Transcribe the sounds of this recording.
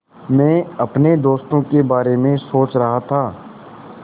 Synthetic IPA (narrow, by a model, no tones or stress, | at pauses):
mɛ̃ːɐpned̪oːst̪õkebaːɾemẽsoːt͡ʃɾɐɦat̪ʰaː